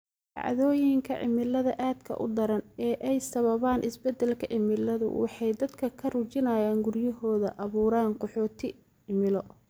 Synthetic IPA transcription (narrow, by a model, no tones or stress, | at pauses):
ɑ̰ʕðɔːjɪŋkʰɐ̰ʕɪ̰mɪlɐðɐʔaːd̪kʰɐ̰ʔʊ̰d̪ɐɾɐnɛːʔɛjsɐβɐβaːnʔɪsbɛd̪ɛlkʰɐʕɪmɪlɐðʊ̰wɑ̰ħɑjd̪ɐd̪kʰɐkʰɐrut͡ʃɪnaːjaːŋɡʊrjɐɦɔːðɐ̰ʔɐβuːɾaːnqɔħɔːt̪ʰɪ | ɪmɪlɔ